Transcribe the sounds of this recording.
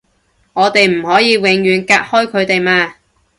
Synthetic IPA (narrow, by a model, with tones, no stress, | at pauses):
ŋɔː˨˧t̪e˨jm̩˨˩hɔː˨˥jiː˨˧wɪ˨˧ŋjyː˨nkaː˧t̚hɔː˥jkʰɵ˨˧ɥt̪e˨jmaː˧